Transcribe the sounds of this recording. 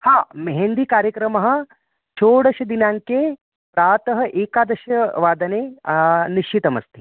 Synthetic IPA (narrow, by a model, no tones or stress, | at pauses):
haːmeɦeɳɖ̪ikaːɾjɐkɾɐmɐɦɐ̆ | t͡ʃʰoːɽɐʃɐd̪inaːŋke | pɾaːt̪ɐɦɐ̆ʔeːkaːd̪ɐʃɐʋaːd̪ɐneːniʃit̪ɐmɐ̰st̪ʰi